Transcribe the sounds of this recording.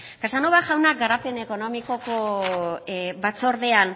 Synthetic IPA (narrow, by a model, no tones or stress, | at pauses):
kasanoβaʝawnak̚ɡaɾape̞ne̞ko̞no̞miko̞ko | bat͡so̞ɾðe̞an